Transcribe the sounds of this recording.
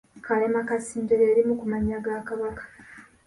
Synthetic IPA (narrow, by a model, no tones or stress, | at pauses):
kalemakasiːndeɾeːɾimukumaɲaɡaːkaβakḁ